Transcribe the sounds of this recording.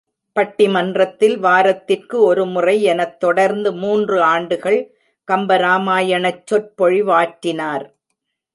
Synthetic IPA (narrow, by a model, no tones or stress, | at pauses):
pɐʈːɪmɐndrɐt̪ːɪlʋaːɾɐt̪ːɪrkɯɔɾɯmʊrɐɪɛnɐt̪ːɔɽɐɾnd̪ɯmuːndrɯaːɳɖɯɣɐɭ | kɐmbɐɾaːmaːjɐɳɐt͡ʃːɔr̚pɔɻɪʋaːʈːɪnaːɾ